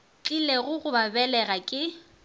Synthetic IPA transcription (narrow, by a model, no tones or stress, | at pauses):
t͡ɬʼileɣʊɣʊbabɛlɛɣakʼɪ